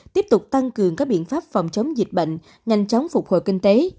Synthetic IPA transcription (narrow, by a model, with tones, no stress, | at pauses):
t̪i˦˥əp̚t̪ʊ˨˩k͡p̚t̪a˧ŋkɨ˨˩əŋkaː˦˥k̚ɓḭ˧˨ənfaː˦˥p̚fɔ˨˩wŋ͡mt͡ɕə˨˦wŋ͡mzi˨˩t̚ɓə̰˧˨jŋ̟ | ɲa˧jŋ̟t͡ɕɔ˨˦wŋ͡mfʊ˨˩k͡p̚ho̰˧˨jkï˧ŋ̟t̪e˨˦